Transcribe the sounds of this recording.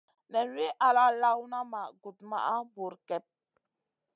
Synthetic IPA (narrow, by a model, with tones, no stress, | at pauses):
nɛ˨n˦ɾi˦ʔa˨la˦la˦wna˦ma˨ɡu˨tma̰˦˨ʔa˦bu˨ɾkɛ˨p̚